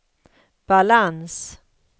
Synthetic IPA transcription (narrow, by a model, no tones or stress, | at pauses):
b̥alans